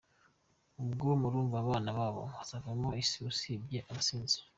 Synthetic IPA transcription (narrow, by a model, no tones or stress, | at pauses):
ubɡomuɾuːɱvaːβaːnaβaːβo̞̰βasavamoisiusibɟe̞ʔaβasiːnziɾ